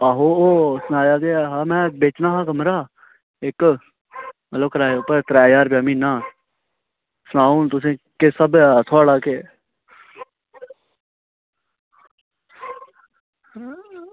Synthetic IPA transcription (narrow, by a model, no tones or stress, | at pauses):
aɦoːoːsʊnaːjaːd̪eːɦãːmɛ̃ːbeːt͡ʃnaːɦãːkəmɾaː | eːk | mət̪ləb̚kɾaːopəɾt̪ɾaːjaːɾpeəmĩːnaː | sʊnaːuːnt̪ʊs̬ẽːkesəbt̪ʰoːɽaːkeː